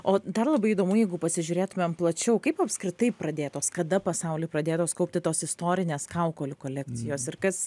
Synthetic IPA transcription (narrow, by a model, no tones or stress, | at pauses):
oːd̪ɐrlˠɐbɐɪid̪oːmuːjɛɪɡʊpɐsʲɪʒʲʊɾʲeːt̪ʊmʲɛmplˠɐt͡ʃʲɛʊkɐɪpɐpskɾʲɪt̪ɐɪpɾɐd̪ʲeːt̪oːskɐd̪ɐpɐsɐʊlʲɪːpɾɐd̪ʲeːt̪oːskɐʊp̚ʲt̪ʲɪt̪oːsɪst̪oːɾʲɪnʲeːskɐʊkoːlʲʊkoːlʲɛkt͡s̪ʲɪjoːsɪɾkɐs